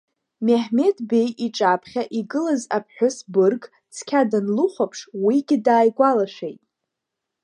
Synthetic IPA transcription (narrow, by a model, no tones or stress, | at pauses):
meħme̞tʰʼbe̞jiʈ͡ʂʼapʰχʲaʔiɡɨlazapʰħʷᶣʊsbɨrɡ | t͡sʰkʲʰadanluχʷapʰʂwiɡʲɪdaːjɡʷalaʃᶣejtʼ